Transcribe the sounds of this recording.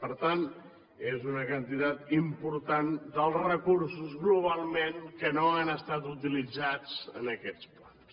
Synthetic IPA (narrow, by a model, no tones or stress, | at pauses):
pəɾt̪an | ezunəkənt̪it̪at̪impuɾt̪and̪əlˠzrəkuɾsuzɣluβ̞alˠmeŋkənoanəst̪at̪ut̪ilid͡zat͡sənəkɛt͡splans